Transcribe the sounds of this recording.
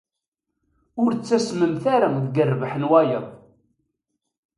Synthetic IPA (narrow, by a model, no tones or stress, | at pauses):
ʊɾt͡sːæsməmθaɾaðɡərːvəħənwæjə